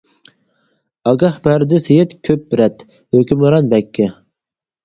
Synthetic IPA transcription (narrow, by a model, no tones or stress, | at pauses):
ɑɡɑhbæɾd̪ɪsejet̪kʲʰøp̚ɾɛt̪ | høkʲymɨɾɑnbɛkʲʰːɪ